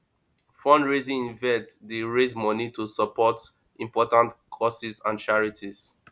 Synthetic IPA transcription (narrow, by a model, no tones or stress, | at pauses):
fɔ̃ndɹezĩĩnvɛtdeɹezmɔnitusɔpɔt | ĩmpɔtãntkʰɔsizãnt͡ʃaɹitʰiz̥